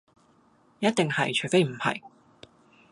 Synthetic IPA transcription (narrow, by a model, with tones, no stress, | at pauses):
jɐ˥t̚t̪ɪ˨ŋhɐ̰˨jt͡ʃʰɵ˨˩jfe˥jm̩˨˩hɐ̰˨˩j